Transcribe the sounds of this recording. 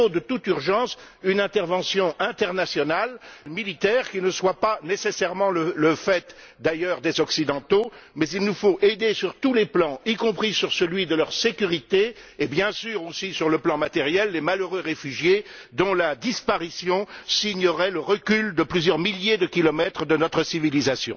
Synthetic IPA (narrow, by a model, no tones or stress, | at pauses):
od̪ət̪ut̪yʁʒɑ̃s | ynɛ̃t̪ɛʁvɑ̃sjɔ̃ʔɛ̃t̪ɛʁnasjɔnalmilit̪ɛʁkʲinəswapanesesɛʁmɑ̃lələfɛt̪ | d̪ajœʁd̪ezɔksid̪ɑ̃t̪omɛzilnufoʔed̪esyʁt̪uleplɑ̃ikɔ̃pχisyʁsəlɥid̪əlœʁsekʲyʁit̪eːbjɛ̃syʁosisyʁləplɑ̃mat̪ɛʁjɛlːemaløʁøʁefyʒjed̪ɔ̃lad̪ispaʁisjɔ̃siɲəʁɛləʁəkʲyld̪əplyzjœʁmiljed̪əkʲilɔmɛt̪χəd̪ənɔt̪χəsivilizasjɔ̰̃